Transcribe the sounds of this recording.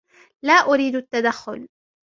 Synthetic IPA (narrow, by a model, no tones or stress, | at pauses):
laːʔʊɾiːd̪at̪ːad̪axːʊ̰l